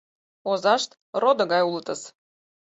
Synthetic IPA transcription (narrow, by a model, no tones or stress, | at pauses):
ozɑʃt̪ | rod̪ɤ̆ɣɑjulət̪ə̆s